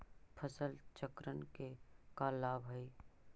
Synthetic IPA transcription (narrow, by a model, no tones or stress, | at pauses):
pʰəsəlt͡ʃəkɾənkekaːlːaːbɦəi